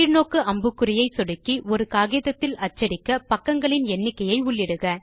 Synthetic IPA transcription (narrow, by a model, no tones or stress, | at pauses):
ɾnoːkːɯʔɐmbɯkːɯɾɪjɐɪsɔɽɯkːiɔɾɯkaːɣɪjðɐt̪ːɪlɐt͡ʃːɐɾɪkːɐpɐkːɐŋɡɐɭɪnɛnːɪkːɐjɐɪʊɭːɪɽɯɣɐ